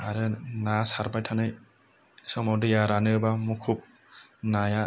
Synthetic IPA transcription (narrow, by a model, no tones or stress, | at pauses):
aɾɯnasaɾbajtʰanɯj | sɔŋmawdɯjaɾanɯbamukʰup̚ | naja